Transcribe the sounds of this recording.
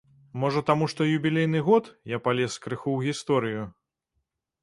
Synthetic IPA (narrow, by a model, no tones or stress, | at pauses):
mɔʐɐt̪amuʂt̪ɔjubʲilʲejnɨɣɔt̪japalʲɛskɾɨxuwɣʲist̪ɔɾɨju